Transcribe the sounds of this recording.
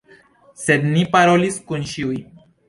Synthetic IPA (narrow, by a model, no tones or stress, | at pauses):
sed̪nipaɾoliskunʃiuj